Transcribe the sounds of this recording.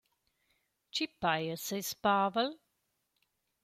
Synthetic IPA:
t͡ʃipajəsejspaːvəl

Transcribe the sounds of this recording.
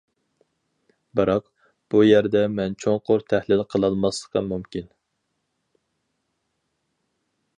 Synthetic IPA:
bɨɾɑq | b̥ujɛɾd̪ɛmɛnt͡ʃʰoŋqʰoɾt̪ʰæhlɪlqʰəlˠɑlˠmɑslˠə̥qʰɑmumkʲin

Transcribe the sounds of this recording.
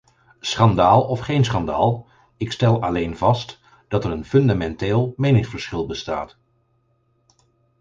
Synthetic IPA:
sχɑndaːlˠɔfχejnsχɑnda̰ːlˠ | ɪkstɛlˠɑlejnvɑst | d̥ɑtɛɾənfɵndamɛnteːlˠmejnɪŋsfəɹsχɪlˠbəsta̰ːt

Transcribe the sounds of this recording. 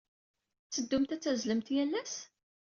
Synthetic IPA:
t͡sːəd̪ːumt̪æt͡sːæzləmt̪jælːæs

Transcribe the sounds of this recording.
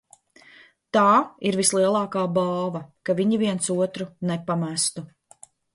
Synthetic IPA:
t̪aːiɾvislˠiɛlˠɑːkaːbaːvɐkaviɲiviɛnsuɔt̪ɾunepamæst̪u

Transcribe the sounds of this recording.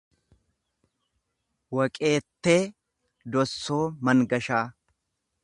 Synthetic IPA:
wɐkʼe̞ːt̪ːe̞ː | d̪ɔsːo̞ːmɐŋɡɐʃaː

